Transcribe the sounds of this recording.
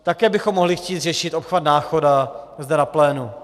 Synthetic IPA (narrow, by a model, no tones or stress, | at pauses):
t̪akɛːbɪxomːoɦlɪxciːt̪r̝ɛʃɪt̪ʔopxvad̪naːxodazdɛnaplɛːnu